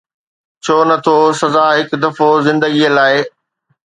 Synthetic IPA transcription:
t͡ɕʰoːnɐt̪ʰosɐzaːɦɪkd̪ɐfozɪ̃nd̪əɡiəlaːɪ

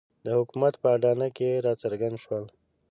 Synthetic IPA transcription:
d̪əhʊkumat̪pəaɖɑnakeɾɑt͡saɾɡand̪ʃwəl

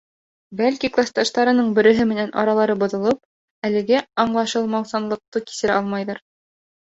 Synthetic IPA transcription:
bælkiklˠast̪ɑʃt̪ɑɾɤ̆nɤɴbɘ̆ɾɘ̆ɦɘmɘ̆nænʔɑ̰ɾɑlˠɑɾɤbŏðŏlˠɤp̚ | ælɘ̆ɡɘɑɴlˠɑʃɤlˠmɑwsɑnlˠɤ̆q̚t̪ɤki̥sɘ̆ɾæɑlˠmɑjðɤɾ

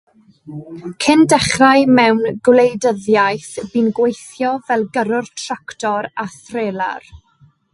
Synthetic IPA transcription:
kʰɪndɛχrajmɛwnɡwlejdəðjajθb̥inɡwejθjɔvɛlˠɡəɾʊrtʰraktʰɔɾaθreːlˠa̰r

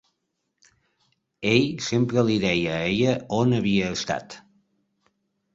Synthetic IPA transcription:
eʎsempɾəliðɛjəeʎəonəβiəːst̪a̰t̪

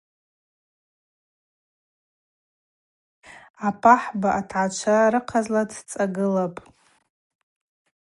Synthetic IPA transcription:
apʰʼaħbaʔatʰʕat͡ʃʷʰaraɾɨqʰazladʰt͡sʼaɡɨlapʼ

